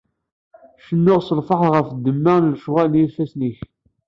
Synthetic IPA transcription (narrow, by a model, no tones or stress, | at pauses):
ʃənːʊʁsəlfɑħʁəfd̪ːəmːænlʃʁælnjilfæsniç